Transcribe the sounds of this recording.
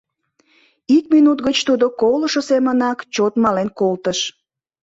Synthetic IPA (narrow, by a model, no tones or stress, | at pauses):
ikminut̪ɣət͡ɕt̪ud̪okoləʃosemənɑkt͡ɕot̪mɑlenkolt̪əʃ